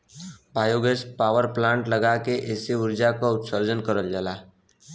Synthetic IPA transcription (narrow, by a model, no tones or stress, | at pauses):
baːjoɡeːspaːʋəɾplãːɳʈləɡakeʔeːseʊɾd͡ʒakaʊt̪səɾd͡ʒənkəɾəld͡ʒalaː